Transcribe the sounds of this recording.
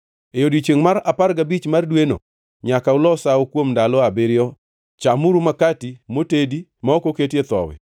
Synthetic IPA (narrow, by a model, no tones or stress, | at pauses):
ejodit͡ʃeŋmaɾaparɡabit͡ʃmardweno̰ | ɲakaʊlɔsaokwomndalɔabɪɾɪjɔ | t͡ʃamʊɾumakatimotedimaokoketet̪ɔ̰wɪ̰